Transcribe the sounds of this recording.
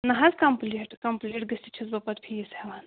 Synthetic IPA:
nɐɦɐzkɐmpliʈkɐmpliʈ̚ɡɨst̪ʲit͡ʃʰisbɐpɐt̪pʰijiseʋaːn

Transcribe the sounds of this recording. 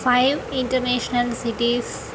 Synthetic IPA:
faɪʋɪ̃ɳʈəɾneːʃnəlsiʈis

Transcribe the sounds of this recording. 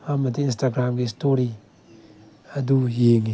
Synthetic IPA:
amatiːnstaɡɾamɡistoɾi | adujeŋi

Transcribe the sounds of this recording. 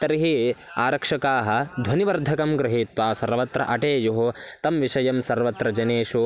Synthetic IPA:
t̪ɐɾiɦia̰ːɾɐkʂɐkaːɦɐ̆d̪ʱwɐniʋɐɾd̪ʱɐkɐmɡɾɪɦiːt̪ʋaːsɐɾʋɐt̪ɾɐ̰ʔɐʈeːjuɦot̪ɐmʋiʂɐjɐmsɐɾʋɐt̪ɾɐd͡ʒɐneːʃu

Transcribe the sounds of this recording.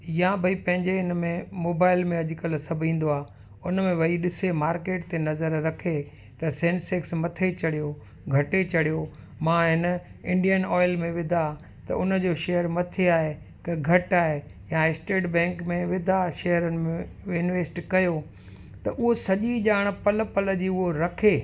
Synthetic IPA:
jãbʱɐipɐ̃ɦɪ̃ɲd͡ʑeɪnmẽmoːbaːɪlmẽɐʄʊkɐl̆sɐbʱĩːn̆d̪oaː | ʊnəmẽʋɐiɗɪsemaːɾkeːʈt̪enɐzəɾːɐkʰe | t̪ɐsẽːnseksmɐt̪ʰet͡ɕɐɽijo | ɡʱɐʈet͡ɕɐɽijo | mãːɦɪnəɪ̃ɳɖijənɔːɪlmẽʋɪd̪ʱa | t̪ɐ̰ʔʊnə̆d͡ʑoːʃeɦəɾmɐt̪ʰeaːɦe | kɐɡʱɐʈaːɦe | jãɪsʈeːʈbɛ̃ːŋkmẽʋɪd̪ʱaʃeːəɾənɪ̆mẽʋɪnʋeːsʈkɐjo | t̪ɐʔʊɦosɐʄiʄaːɽ̃̆pɐləpɐlə̆d͡ʑiːʊɦoɾɐkʰeː

